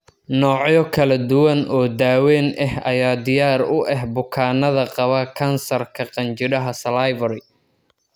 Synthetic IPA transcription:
nɔːʕjɔkʰɐlɐd̪ʊwɐnʔɔːd̪aːwɛːnʔɐhɐjaːd̪ɪjaːrʊʔɛɦbʊkʰaːnɐðɐqɑβɐkʰɐnsɐrkʰɐqɑnt͡ʃɪɽɐɦɐsɐlajvɐɾɪ

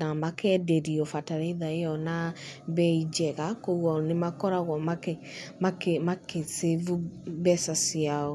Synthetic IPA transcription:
namakʰɛdeɾiofataɾeiðaejɔnabɛid͡ʒɛɣakoɣɔnemakɔɾaɣɔmakɛmakemakesevubɛsasiao

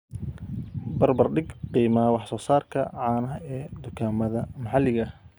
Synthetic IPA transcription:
bɐrbɐrɖɪɡqiːmaːwɑħsɔːsaːrkʰɐ̰ʕɑːnɐɦɐɛːd̪ʊkʰaːmɐðɐmɑħɑlɪɣɐ

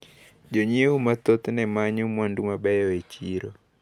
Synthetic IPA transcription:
d͡ʒoɲeumat̪ɔt̪nɛmaɲumwandumabɛjɔet͡ʃiɾɔ

